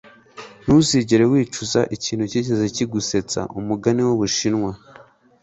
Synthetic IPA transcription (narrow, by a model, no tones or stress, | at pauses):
nusiɟeɾewiːt͡ʃuzaʔiciːnhuceːc̬ezeciɡuse̞t͡sa̰ʔumuɡaniwoβuʃinŋwa